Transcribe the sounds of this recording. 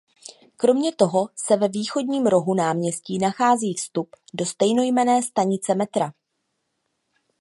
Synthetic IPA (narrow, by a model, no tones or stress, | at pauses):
kɾo̞mɲɛt̪o̞ɦo̞sɛvɛviːxo̞dɲiːmɾo̞ɦunaːmɲɛsciːnaxaːziːfst̪updo̞st̪ɛjno̞jmɛnɛːst̪aɲɪt͡sɛmɛt̪ɾa